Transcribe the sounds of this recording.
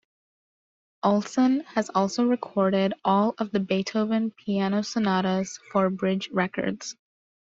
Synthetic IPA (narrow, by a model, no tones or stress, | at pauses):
ʔɔlˠsə̃nɨzɔlˠsoʊɹɨkʰɔɹɾɪɾɔlˠʌvðɨbeɪtʰoʊvɨ̃npʰiænoʊsənɑɾəz̥fə˞bɹɪd͡ʒɹɛkə̰˞dz̥